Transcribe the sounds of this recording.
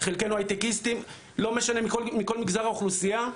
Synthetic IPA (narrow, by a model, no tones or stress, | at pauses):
χelkejnuajt̪ekist̪im | lo̞meʃane̞mkomiko̞lmiɡzaʁaoχlusija